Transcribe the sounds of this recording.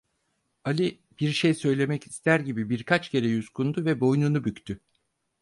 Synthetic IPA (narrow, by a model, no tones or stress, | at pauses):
alʲi | b̥iɾʃejsø̞jlʲe̞mɛcist̪ʰæɾɟibibiɾkʰat͡ʃcʰe̞ɾɛjuzkʰund̪uvɛbo̞jnunubyct̪ʰy